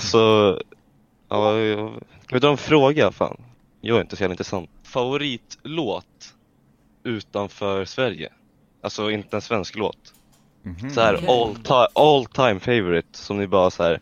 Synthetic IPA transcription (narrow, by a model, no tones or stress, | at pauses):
asɔ | ɑː | kʰavent̪ɾɔɛnfɾoːɡafa̰ːn | jɑːɡaɾɪnt̪əshɛlɪnt̪ɾɛsant̪̚favʊɾiːt̪loːt̪ | ʉ̟ːt̪anfœːɾsvæɾjə̰ | ʔalsɔɪnt̪əɛnsvɛnsklo̰ːt̪ | sɔhæːɾɔlt̪ʰaʔɔlt̪ʰajmfɛɪvɔɾɪt̪sɔmnɪbɑːɾasæːɾ